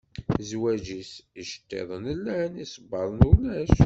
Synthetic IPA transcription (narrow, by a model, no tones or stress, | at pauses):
zwæd͡ʒisiʃə̥t̪ːḛðˤənəlːænisˤəbːɑðˤnulæʃ